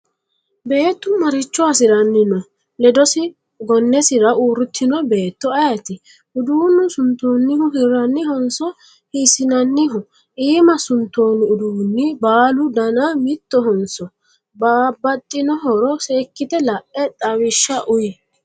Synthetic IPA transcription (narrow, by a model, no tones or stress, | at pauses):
be̞ːt̪ːʊmɐɾɪt͡ʃːɔɐsɪɾɐnːɪnɔ | lɛd̪ɔsɪ | ɡɔnːɛsɪɾɐʔuːɾʊt̪ʰːɪnɔbe̞ːt̪ːɔɐjɐt̪ɪ | ʔʊd̪uːnːʊsʊnt̪ːoːnːɪhʊɦɪɾɐnːɪɦɔnsɔ | hisɪnɐnːɪɦʊ | ʔiːmɐsʊnt̪ːo̞ːnʊʊd̪uːnːɪbaːlʊd̪ɐnamɪt̪ːɔɦɔnsɔ | baːbːɐt̪ʼːɪnɔɦɔɾɔse̞ːkːɪt̪ɛlɐʔɛt̪ʼɐwɪʃːɐʔʊjɪ